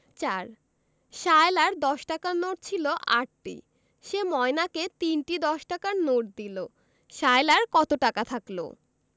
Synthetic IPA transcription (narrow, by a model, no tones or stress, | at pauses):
t͡ɕaɾ | ʃaelaɾd̪ɔʃʈakanoʈ̚t͡ɕʰiloʔaʈʈḭ | ʃemɔenaket̪inʈid̪ɔʃʈakaɾnoʈ̚d̪ilo | ʃaelaɾkɔt̪oʈakat̪ʰaklo̰